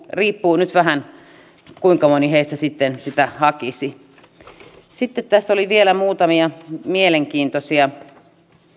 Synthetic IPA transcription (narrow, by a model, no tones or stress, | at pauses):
riːpːuːnyt̪ʋæhæn | kuiŋkɑmoniheist̪æsit̪ːensit̪æhɑkisi | sit̪ːet̪t̪æsːoliʋielæmuːt̪ɑmiɑmieleŋkiːnt̪osiɑ